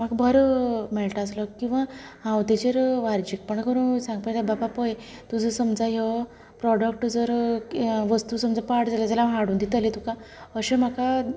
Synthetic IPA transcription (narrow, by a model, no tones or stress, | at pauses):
m̤aɡbʱəɾmɛlʈəsləkːĩw̃ʋahãwt̪et͡ɕeɾʋaɾd͡ʑik̚pəɳkəɾũsãŋɡpəɳt̪abapapəje | t̪ud͡zəsəmd͡zaɦe | pɾɔɽək̚ʈd͡zəɾ | ʋəst̪usəmd͡zapaɾʈd͡zalad͡zalaɦaɽuːnd̪it̪əlet̪ukaəɕem̤aka